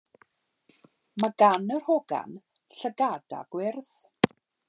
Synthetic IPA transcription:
maɡanərhoɡa̰nɬəɡada̰ɡ̥wɪrð

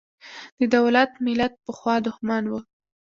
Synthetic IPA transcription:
d̪̥əd̪awlat̪mɪlat̪̚pəxwɑd̪ʊhmɑnwə

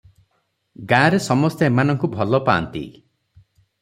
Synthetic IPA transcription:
ɡãɾesɔmɔst̪eemanɔŋkubʱɔlɔpa̰ːnt̪ḭ

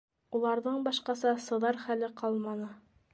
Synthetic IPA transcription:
ulˠɑɾðɤɴbɑʃqɑsɑsɤ̆ðɑɾχælɘqʰɑlˠmɑnɤ

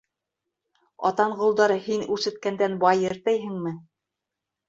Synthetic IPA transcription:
ɑ̰t̪ɑɴɢŏlˠd̪ɑɾɤhinʉɾʃɘ̆t̪̚kænd̪ænbɑjɘ̆ɾt̪æjɦɘ̆ŋmɘ

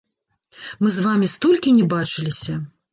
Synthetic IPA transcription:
mɨzvamʲist̪ɔlʲkʲinʲɛbat͡ʂɨlʲisʲɐ

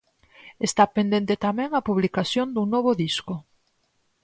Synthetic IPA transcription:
est̪apend̪ẽnt̪et̪amɛ̃ŋapuβlikaθjond̪uŋnoβ̞oðisko

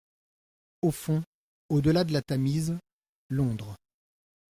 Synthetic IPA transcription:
ofɔ̃ | od̪əlad̪əlat̪amiz | lɔ̃d̪ʁə

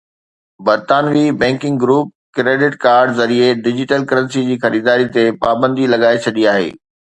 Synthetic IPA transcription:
bɐɾt̪aːnʋibɛ̃ːŋkɪ̃ŋɡɡɾuːp̚kɾeːɖɪʈkaːɾɖzɐɾieɖɪd͡ʑɪʈəlkɐɾə̃nsid͡ʑiːxɐɾiːd̪aːɾit̪epaːbə̃nd̪ilɐɡaːet͡ɕʰɐɗiaːɦḛː

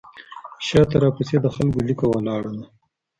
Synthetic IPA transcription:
ʃɑt̪aɾɑpused̪əxalkolikowalɑɽana

